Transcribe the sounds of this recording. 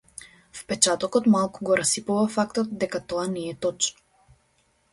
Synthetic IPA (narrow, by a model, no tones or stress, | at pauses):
fpɛt͡ʃat̪ɔkɔt̪malˠkuɡɔɾasipuvafakt̪ɔt̪d̪ɛkat̪ɔanɛɛt̪ɔt͡ʃnɔ̥